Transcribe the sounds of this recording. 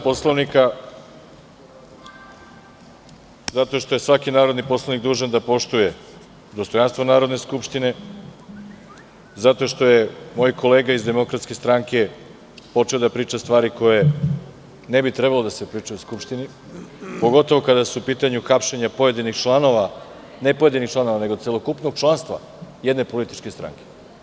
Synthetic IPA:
poslaʋnika | zat̪o̞ʃt̪o̞jesʋakinaːɾo̞d̪nipo̞slˠanikd̪uːʒand̪apo̞ʃt̪uje̞ | d̪ost̪ojanst̪vonaːɾo̞d̪neskupʃt̪ine̞ | zat̪o̞ʃt̪o̞je̞moːjko̞leːɡaizd̪e̞mo̞kɾat̪ske̞st̪ɾaŋke̞ | po̞t͡ʃe̞od̪apɾiːt͡ʃast̪ʋaːɾiko̞je | ne̞bit̪ɾe̞balo̞d̪ase̞pɾiːt͡ʃuoskupʃt̪ini | po̞ɡo̞t̪o̞ʋo̞kad̪asuupiːt̪aɲuxapʃeɲapo̞jed̪inixt͡ʃlˠano̞ʋa | nepojed̪inixt͡ʃlˠano̞ʋane̞ɡose̞lˠo̞kupno̞ɡ̚t͡ʃlˠanst̪ʋa̰ | jed̪ne̞po̞lit̪i̥t͡ʃke̞st̪ɾa̰ŋke

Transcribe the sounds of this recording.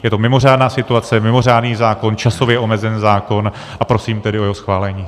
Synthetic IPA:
jɛt̪omɪmo̞r̝aːdnaːsɪt̪uat͡sɛmɪmo̞r̝aːdniːzaːko̞nt͡ʃaso̞vjɛʔo̞mɛzɛnzaːko̞n | ʔapɾo̞siːmt̪ɛdɪʔo̞jɛɦo̞sxvaːlɛɲiː

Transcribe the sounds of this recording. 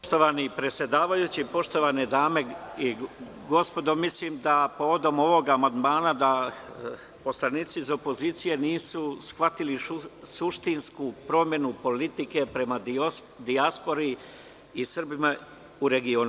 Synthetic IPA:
ʃt̪oʋanipɾe̞t̪sʲje̞d̪aːʋajut͡ɕipo̞ʃt̪o̞ʋaned̪aːme̞i | ɡo̞spo̞d̪o̞misliːmd̪apo̞ʋo̞d̪o̞mo̞ʋo̞ɡaːmand̪maːnad̪a | po̞slˠaniːt̪sizo̞po̞ziːt̪sije̞niːsusxʋat̪ilisuʃt̪inskupɾo̞mje̞nupo̞lit̪ike̞pɾe̞ma | d̪iaspo̞ɾi | isr̩bima | uɾe̞ɡio̞ːnu

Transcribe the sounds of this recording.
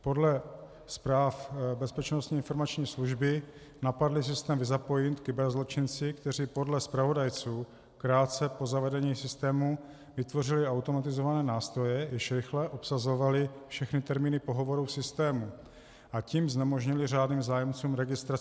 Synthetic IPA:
po̞dlɛ | spɾaːfbɛspɛt͡ʃnost̪ɲiːɪnfo̞ɾmat͡ʃɲiːsluʒbɪ | napadlɪs̬ɪst̪ɛːmvɪzapo̞jɪnt̪kɪbɛɾzlo̞t͡ʃɪnt͡sɪkt̪ɛr̝ipo̞dlɛspɾavo̞dajt͡suː | kɾaːt̪t͡sɛpo̞zavɛdɛɲiːsɪst̪ɛːmu | vɪt̪vo̞rɪlɪawt̪o̞mat̪ɪzovanɛːnaːst̪ɾo̞jɛjɪʃɾɪxlɛʔo̞psazo̞valɪfʃɛxnɪt̪ɛɾmiːnɪpo̞ɦo̞vo̞ɾusɪst̪ɛːmu | ʔaciːmznɛmo̞ʒɲɪlɪr̝aːdniːmzaːjɛmt͡suːmɾɛɡɪst̪ɾa

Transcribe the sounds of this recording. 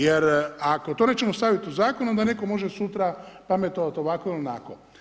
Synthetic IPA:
jeɾako̞t̪oːne̞ːt͡ʃemost̪aʋit̪iuzaːkonud̪ane̞komo̞ʒesut̪ɾapame̞t̪o̞ʋat̪o̞ʋakoilnako̰

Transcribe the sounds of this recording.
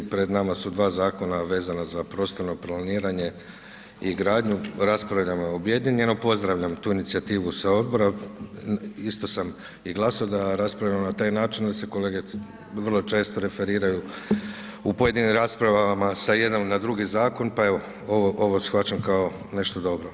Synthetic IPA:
pɾe̞d̪namasud̪ʋaːzaːko̞naʋe̞ːzanazapɾo̞ːst̪o̞ɾno̞planiːɾaɲe̞ | iɡɾaːd̪ɲuɾaspɾaʋʎamobje̞d̪ɲeɲenopo̞zd̪ɾaʋʎamt̪uːinit̪siat̪iːʋusao̞d̪̚bo̞ɾa | ist̪o̞sam | iɡlˠasaod̪aɾaspɾavʎamonat̪aːjnaːt͡ʃind̪aseko̞leːɡe | ʋər̩lˠo̞t͡ʃe̞ːst̪o̞ɾe̞fe̞ɾiːɾaju | upoje̞d̪inimɾaspɾaʋamasaje̞d̪omnad̪ɾuɡizaːko̞npae̞ʋo̞ | oʋoʔoʋo̞sxʋat͡ʃamkao̞ | ne̞ʃt̪o̞d̪o̞bɾo̞

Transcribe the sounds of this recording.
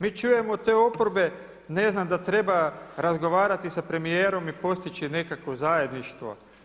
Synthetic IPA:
miːt͡ʃuje̞mot̪e̞ːo̞poɾbe̞ | ne̞znamd̪at̪ɾe̞baɾazɡo̞ʋaːɾat̪isapɾe̞mijeːɾo̞mipo̞st̪it͡ʃine̞kakʋo̞zaje̞d̪niʃt̪ʋo̰

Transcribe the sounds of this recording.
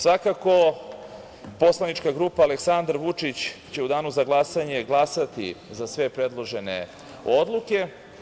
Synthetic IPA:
sʋakako̞ | po̞slˠaniʈ͡ʂkaɡɾupaːle̞ksand̪ɾʋut͡ʂit͡ɕt͡ɕe̞ud̪aːnuzaɡlˠasaɲe̞ɡlˠasat̪ḭzasʋe̞pɾe̞d̪lˠo̞ʒenḛ | o̞d̪lˠuke̞

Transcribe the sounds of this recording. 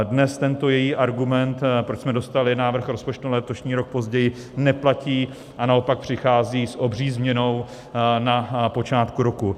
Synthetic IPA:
dnɛst̪ɛnt̪o̞jɛjiːʔaɾɡumɛnt̪pɾot͡ʃsmɛdo̞st̪alɪnaːvr̩xɾo̞spo̞t͡ʃt̪ulɛt̪o̞ʃɲiːɾo̞k̚po̞zɟɛjɪ | nɛplaciː | ʔanao̞pak̚pr̝̥ɪxaːziːsʔo̞briːzmɲɛno̞w | napo̞t͡ʃaːt̪kuɾo̞ku

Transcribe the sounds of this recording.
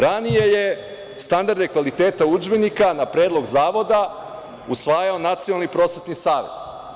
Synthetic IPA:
ɾanije̞je | st̪and̪aɾd̪e̞kʋalit̪eːt̪aud͡ʒbenikanapɾeːd̪lo̞ɡzaːʋo̞d̪a | usʋaːjao̞nat̪sionalˠnipɾo̞sʋet̪nisaːʋe̞̰t̪

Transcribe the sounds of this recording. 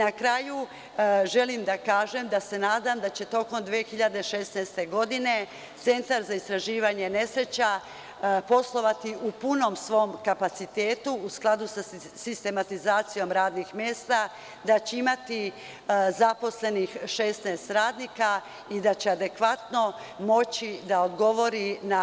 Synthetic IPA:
nakɾaju | ʒe̞limd̪akaːʒe̞md̪ase̞naːd̪amd̪at͡ɕe̞t̪o̞ko̞md̪ʋexiʎad̪e̞ʃe̞snɛːst̪e̞ɡo̞d̪ine̞ | t̪se̞nt̪aɾzaist̪ɾaʒiːʋaɲe̞ne̞sɾe̞t͡ɕa | po̞slˠo̞ʋat̪iʔupuno̞msʋo̞mkapat̪sit̪eːt̪uːsklˠad̪usa | sist̪e̞mat̪izaːt̪sijo̞mɾaːd̪nixmjeːst̪a | d̪at͡ɕeimat̪i | zapo̞sle̞nixʃe̞st̪nɛːst̪ɾaːd̪niːka | id̪at͡ɕe̞ad̪e̞kʋat̪no̞ | mo̞t͡ɕid̪aod̪ɡo̞ʋo̞ɾina

